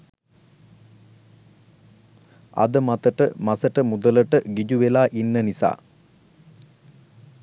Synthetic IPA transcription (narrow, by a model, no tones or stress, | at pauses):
ɐ̰d̪əmat̪əʈəmasəʈəmud̪ələʈəɡid͡ʒuʋelaːʔinːənisa̰ː